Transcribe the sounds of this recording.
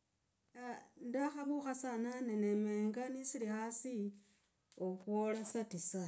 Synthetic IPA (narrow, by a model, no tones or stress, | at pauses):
ndaxaβuxasananenemeːŋɡanisilixasi | okwolasatisa